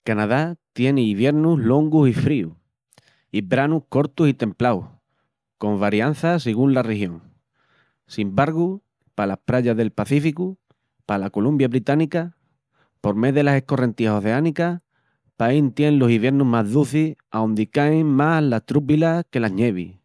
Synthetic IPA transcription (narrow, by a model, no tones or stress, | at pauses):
kanaðat̪je̞neiβje̞ɾnuɦlo̞ŋɡusifɾiṵ | ibɾanuhko̞ɾt̪usit̪ẽ̞mplawh | ko̞mβaɾjan̟θaseɣ̞unlarehjõ̞ŋ | simbaɾɣu | palahpɾaʎaðe̞lpaθifiku | palako̞lumbjaβɾit̪anika | po̞ɾme̞ðe̞lasehko̞re̞nt̪iaso̞θe̞anika | paint̪je̞nlo̞siβje̞ɾnuɦmaɦðuθisawnd̪ikaeŋmalaht̪ɾup̬ilake̞laɲe̞βḭ